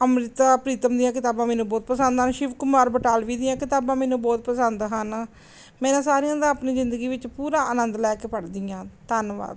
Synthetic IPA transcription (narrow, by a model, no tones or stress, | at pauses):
əmɾɪt̪aːpɾiːt̪əmd̪ijãːkɪt̪aːbãːmɛ̃ːnũːbɔːt̪̚pəsənd̪ɦənʃɪʋkʊmaːɾbəʈaːlʋiːd̪ɪjãːkɪt̪aːbãːmɛːnũːbɔːt̪̚pəsənd̪ɦən | mɛ̃ːnãːsaːɾijãːd̪ãːapniːzɪnd̪əɡiːʋɪt͡ʃpuːɾãːʔənənd̪lɛːkeːpəʈd̪ɪjãːt̪ənʋa̰ːd̪